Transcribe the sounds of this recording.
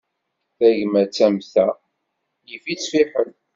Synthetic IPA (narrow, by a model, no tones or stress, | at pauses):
θæʝmæt͡sːæmθæ | jifit͡sfiħən